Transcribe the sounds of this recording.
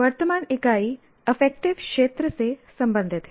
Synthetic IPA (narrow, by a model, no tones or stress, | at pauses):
ʋɐɾt̪əmaːnɪkaːi | efɛk̚ʈɪʋkʂeːt̪ɾəsesɐmbə̃nd̪ʱɪt̪ɦ